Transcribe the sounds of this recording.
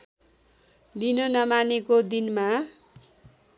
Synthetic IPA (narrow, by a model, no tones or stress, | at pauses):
linonʌmanekod̪inma